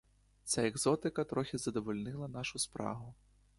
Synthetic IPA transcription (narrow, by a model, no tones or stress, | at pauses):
sʲaɛɡzɔt̪ɨkɐt̪ɾɔxʲizɐd̪ɔvɔlʲnɨlˠɐnaʂuspɾa̰ɦu